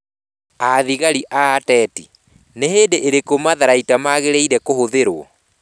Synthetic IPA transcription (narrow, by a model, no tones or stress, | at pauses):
aðiɣaɾiʔaːtɛːti | neɦeːndeʔeɾekomaðaɾaitamaɣeɾeiɾɛkohoðeɾoɔ